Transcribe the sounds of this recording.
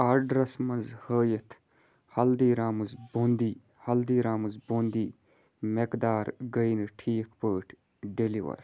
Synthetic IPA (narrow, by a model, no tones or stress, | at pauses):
aːɾɖɾɐsmɐnzhəːjət̪ʰ | hɐld̪iːɾaːmɨzboːnd̪iː | hɐld̪iːɾaːmɨzboːnd̪iː | mekd̪aːɾɡəinʈʰiːkʰpəːʈʰ | ɖeliʋɐ̰ɾ